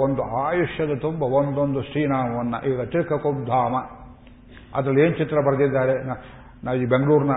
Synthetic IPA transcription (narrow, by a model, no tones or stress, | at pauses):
ond̪uaːjuʂjɐd̪ɐt̪umbɐond̪ond̪usʈiːnaːmɐʋɐnːɐ̰ʔiːɡɐt̪ɾikʰɐkob̚d̪ʱaːmɐ | ɐ̰d̪ɾɐlːeːnt͡ʃit̪ɾɐbɐɾɐd̪id̪ːaːɾena | naːibeŋɡɐɭuːɾnɐ